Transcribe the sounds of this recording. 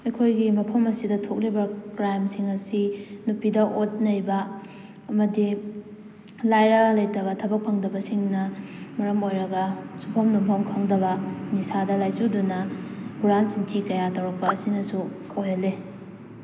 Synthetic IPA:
ɐjkʰojɡimɐpʰɐmɐsidɐtʰok̚libɐkɾajmsiŋɐsinupidɐʔot̚nɐjbɐ | ɐmɐdi | lajɾɐlejtɐβɐtʰɐbɐk̚pʰɐŋdɐbɐsiŋnɐmɐɾɐmojɾɐɡɐsupʰɐmnumpʰɐmkʰɐŋdɐβɐnisadɐlajsudunɐbuɾantsintʰikɐjatɐwɾɐk̚pɐːsinɐsu | ojɐle

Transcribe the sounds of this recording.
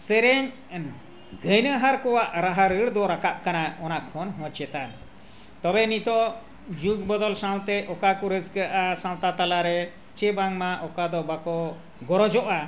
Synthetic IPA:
sɛɾɛɲ | ɡʱəjnəɦaɾkɔwaʔɾaɦaɾəɽd̪ɔɾakaʔ̚kanaɔnakʰːɔnɦɔ̃t͡ʃɛt̪an | t̪ɔbɛnit̪ɔ | d͡ʒuk̚bɔd̪ɔlsaw̃t̪ɛʔɔkakɔɾəskəʔasãw̃t̪at̪alaɾɛ | t͡ʃɛbaŋmaʔɔkad̪ɔbakɔ | ɡɔɾɔd͡ʒɔʔa

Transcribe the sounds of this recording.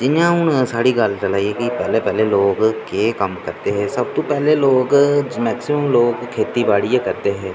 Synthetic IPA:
d͡ʒɪnãːɦʊnsaːɽiːɡəlt͡ʃəlaːieːkɪpɛːleːpɛːleːloːkkeːkəmkəɾt̪eːɦɛːsəb̚t̪õːpɛːleːloːkmɛːksɪməmloːkkʰeːt̪iːbaːɽiːeːkəɾt̪eːɦɛː

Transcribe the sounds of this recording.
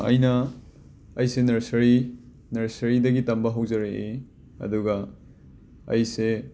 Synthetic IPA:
ɐ̰jnɐː | jsenɐɾsɐɾi | nɐɾsɐɾidɐɡitɐmbɐɦɐwzɐɾee | ɐ̰duɡɐ | ɐ̰jse

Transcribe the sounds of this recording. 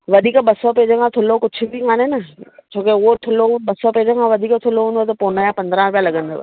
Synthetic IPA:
ʋɐd̪ʱiːkɓɐsɔpeːd͡ʑə̃kʰãt̪ʰʊlokʊt͡ʃʰbʱikaːnenɐt͡ɕʰoːkeʊɦot̪ʰʊlõɓɐsɔpeːd͡ʑə̃kʰãʋɐd̪ʱiːkt̪ʰʊloɦũnd̪ot̪opoːnajapɐ̃nd̪ɾãɾʊpjãlɐɠə̃nd̪o̰ː

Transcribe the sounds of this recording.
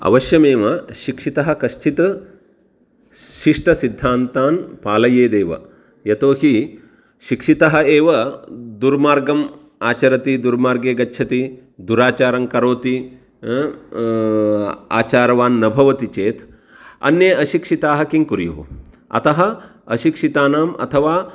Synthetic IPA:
ɐ̰ʋɐʃjɐmeːʋɐʃikʂit̪ɐɦɐkɐʃt͡ʃʰit̪ɐ | ʃiʂʈɐsid̪ʱːaːnt̪aːnpaːlɐjeːd̪eːʋɐ̰ | jɐt̪oːhi | ʃikʂit̪ɐɦɐ̆eːʋɐd̪uɾmaːɾɡɐm | aːt͡ʃɐɾɐt̪id̪uɾmaːɾɡeːɡɐtːʃʰɐt̪i | d̪uɾaːt͡ʃaːɾɐŋkɐɾoːt̪i | a̰ːt͡ʃaːɾɐʋaːnːɐbʱɐʋɐt̪it͡ʃeːt̪ʰ | ɐ̰njeɐʃikʂit̪aːɦɐkiŋkuɾjṵːu | ɐ̰t̪ɐɦɐ̆ɐʃikʂit̪aːnaːmʔɐ̰t̪ʰɐʋaː

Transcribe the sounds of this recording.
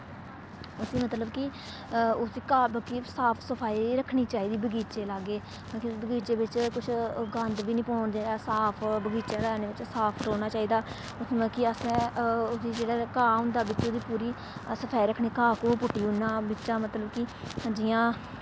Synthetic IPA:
əsiːmət̪ləbkɪ | ʊd̪iːkaːbəkiːsaːpʰsəpʰaːiːɾəkʰːɽiːt͡ʃaːiːd̪iːbəɡiːt͡ʃeːlaːɡeː | kibəɡiːt͡ʃeːbɪt͡ʃkʊt͡ʃʰɡənd̪biːnĩːpɔːɳd̪eːsaːpʰbəɡiːt͡ʃaːɾaːneːʋɪt͡ʃsaːpʰɾoːnaːt͡ʃaːiːd̪aː | əkiəsɛ̃ːʊd̪iːd͡ʒeːɽaːkaːʊ̃nd̪aːbɪt͡ʃod̪iːpuːɾiː | səpʰaːiɾəkʰɽ̃iːkaːkoːpʊʈːiːʊnːãːbɪt͡ʃãːmət̪ləbkɪ | d͡ʒɪjãː

